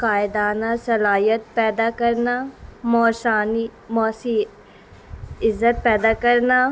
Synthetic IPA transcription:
kaːɪd̪aːnasɐlaːjət̪̚pɛːd̪akɐɾnamɔːʃaːnimɔːsi | ɪzːət̪̚pɛːd̪akɐɾna

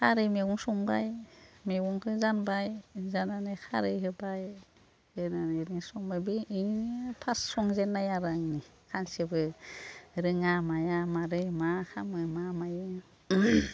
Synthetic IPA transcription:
kʰaɾɯjmeɡuŋsɔŋba̰jmeɡuŋkʰɯzanbajzananɯkʰa̰ɾɯjɦɯbaj | ɯnanenisɔŋbajbiːpʰasːɔŋzenːajaɾaŋni | kʰansebɯ | ɾɯŋamajamaɾɯjmakʰamɯmamajɯ

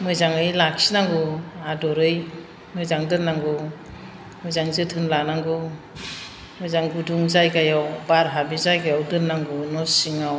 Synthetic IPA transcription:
mɯjzaŋɯjlaksinaŋɡuadɔɾɯj | mɯjzaŋdɯnːaŋɡɔ | mɯjzaŋzɯtʰɯnlanaŋɡɯ | mɯjzaŋɡuduŋzajkajawbaɾɦabizajkajawdɯnːaŋɡɔnɔsiŋaw

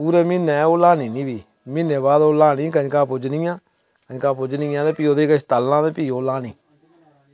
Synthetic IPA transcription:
uːɾɛːmɪnɛːoːlaːniːnĩːbiː | mɪneːβaːd̪oːlaːnĩːkəɲkãːpʊd͡ʒniːjãː | kəɲkãːpʊd͡ʒniːjãːd̪eːpiːoːd̪eːkət͡ʃʰt̪əlːãːd̪eːpiːoːlaːniː

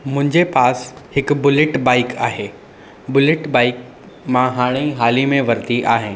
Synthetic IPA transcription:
mʊ̃ɦɪ̃ɲd͡ʑepaːshɪkʊbʊlɪʈbaːɪkʰaːɦeː | bʊlɪʈbaːɪk | mãɦaːɽ̃iɦaːlimẽʋɐɾt̪iʔaːɦɪ̃ː

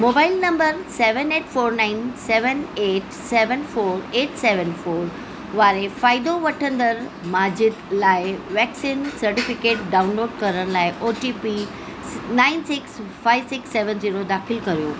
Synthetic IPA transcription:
moːbaːɪlnɐ̃mbəɾseːʋəneːʈfoːɾnãːɪnsɛːʋəneːʈ | seːʋənfoːɾeːʈseːʋənfoːɾ | ʋaːɾefaːɪd̪oʋɐʈʰə̃nd̪əɾ | maːd͡ʑɪd̪laːɪʋɛːksiːnsɐɾʈɪfɪkeːʈ̚ɖaːʊnloːɖkɐɾəɽ̃laːɪʔoːʈiːpi | nãːɪnsɪksfaːɪʋsɪksːeːʋənziːɾod̪aːxɪlkɐɾijoː

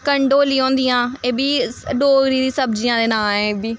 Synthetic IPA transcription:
kəɳɖoːliːɦõːnd̪ijãːeːbiːɖoːɡɾiːd̪ĩːsəbd͡ʒijãːd̪eːnaːeːbiː

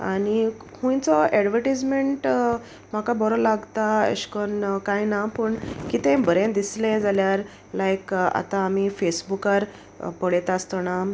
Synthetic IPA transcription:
a̰ñihũjt͡sɔɛɖʋəɾʈid͡zmeɳʈ | m̤akabɔɾɔlaɡt̪aə̰ɕkənkajnapəɳkit̪ɛ̃bəɾẽnd̪islɛ̃d͡zaljaɾ | lajka̰t̪ãːmifesbukaɾ | pəɽet̪ast̪na

